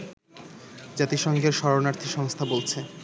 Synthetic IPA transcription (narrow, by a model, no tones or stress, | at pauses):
d͡ʑat̪iʃɔŋɡeɾʃɔɾonaɾt̪ʰiʃɔŋst̪ʰabolt͡ɕʰe